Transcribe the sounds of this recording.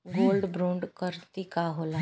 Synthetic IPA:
ɡoːlɖbɾõːɳɖkəɾt̪ikaɦoːla

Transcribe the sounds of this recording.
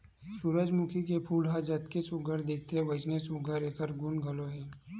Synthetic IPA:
suɾəd͡ʒmʊkʰikepʰuːlɦad͡ʒɐt̪kesʊɡʱəɾd̪ek̚ʰt̪eʋɐd͡ʒnesʊɡʱəɾeːkəɾɡʊnɡʱɐloɦɛ

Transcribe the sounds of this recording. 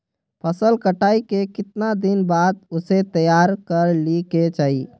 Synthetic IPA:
pʰəsəlkəʈaːikekɪt̪nad̪ɪnbaːd̪̚ʊset̪əjaːɾkəɾliket͡ʃaːiː

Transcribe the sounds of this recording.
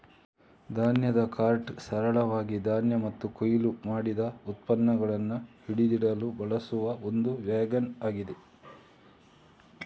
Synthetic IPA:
d̪ʱaːnjɐd̪ɐkaːɾʈsɐɾɐɭɐʋaːɡid̪ʱaːnjɐmɐt̪ːukojilumaːɽid̪ɐut̪̚pɐnːɐɡɐɭɐnːuhiɽid̪iɽɐlubɐɭɐsuʋɐo̞nd̪uʋjaːɡɐnaːɡid̪e

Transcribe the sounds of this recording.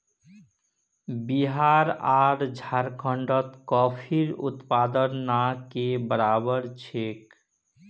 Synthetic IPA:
biɦaɾaɾd͡ʒʱaɾkʰəɳɖət̪kɔpʰiɾṵt̪pad̪ənnakebəɾabəɾt͡ʃʰek

